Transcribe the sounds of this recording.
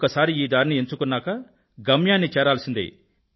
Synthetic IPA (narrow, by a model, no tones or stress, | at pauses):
kɐsaːɾiiːd̪aːɾinieɲt͡ʃukunːaːkɐ | ɡɐmjaːnːit͡ʃɛːɾaːlsind̪ḭ